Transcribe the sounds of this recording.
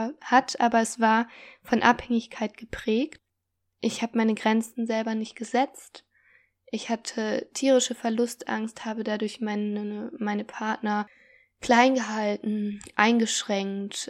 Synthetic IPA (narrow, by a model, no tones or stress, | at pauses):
hatʔaːbɐɛsv̥aːɐfɔnʔa̰phɛŋɪçkʰaɪt̚ɡ̥əpʁ̥ɛːkt | ʔɪçhaːbəmaɪnəɡʁɛnt͡sn̩zɛlbɐnɪçt̚ɡ̥əzɛt͡st | ʔɪçhatʰətʰiːʁ̞ɪʃəfɛɐlʊstʔa̰ŋsthaːbədadʊɐçmaɪnmaɪnəpʰaɐtnɐ | kl̥aɪnɡəɦaltn̩ʔaɪnɡəʃʁ̥ɛŋkt